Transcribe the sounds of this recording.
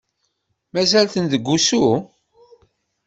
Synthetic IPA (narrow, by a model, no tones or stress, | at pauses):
mæzælθənd̪əɡʷːusu